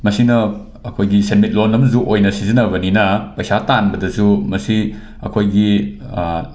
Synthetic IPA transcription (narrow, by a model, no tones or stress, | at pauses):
mɐsinɐ | ɐkʰojɡisenmit̚lonːɐmzuʔojnɐsizinɐbɐninɐpɐjsatanbɐdɐzumɐsi | ɐ̰kʰojɡi